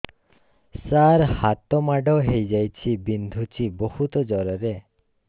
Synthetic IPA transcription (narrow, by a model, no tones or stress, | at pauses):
saɾhat̪ɔmaɖɔɦejd͡ʒajt͡ʃʰibind̪ʱut͡ʃibohut̪ɔd͡ʒɔɾɔɾe